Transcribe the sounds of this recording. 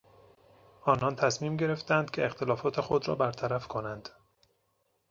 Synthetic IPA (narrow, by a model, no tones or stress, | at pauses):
ʔɒːnɒːnt̪ʰæsmiːmɟe̞ɾe̞ft̪ænd̪̥cʰeːxt̪ʰe̞lɒːfɒːt̪ʰe̞xo̞d̪ɾɒ̰ːbæɾt̪ʰæɾæfkʰo̞nænd̪̥